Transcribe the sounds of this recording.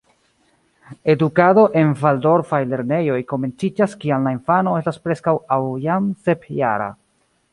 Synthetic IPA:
e̞dukado̞ʔe̞nvaldo̞ɾfajle̞ɾne̞jo̞jko̞me̞nt͡sid͡ʒaskianlainfano̞e̞staspɾe̞skawawjamse̞pja̰ɾa̰

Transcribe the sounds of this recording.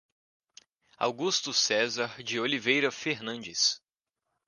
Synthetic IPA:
a̰wɡust̪ʊsɛzaɾd͡ʒɪolivejɾɐfeɾnɐ̃d͡ʒɪs

